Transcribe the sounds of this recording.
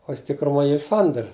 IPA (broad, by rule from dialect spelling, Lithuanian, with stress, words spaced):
oː ˈjɪs tʲɪkrʊˈmoːj ˈiːr ˈsɐnʲdʲɛr